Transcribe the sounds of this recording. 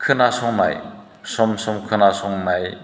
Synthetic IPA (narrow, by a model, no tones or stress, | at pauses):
kʰɯnasɔŋna̰j | sɔmsɔmkʰɯnasɔŋnaj